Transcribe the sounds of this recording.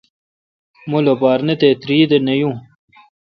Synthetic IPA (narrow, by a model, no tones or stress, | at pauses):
mulopaːɾnet̪et̪ɾiːd̪enejũː